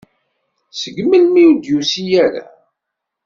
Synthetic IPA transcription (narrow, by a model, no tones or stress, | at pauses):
səɡməlmiwud̪jusijæɾa̰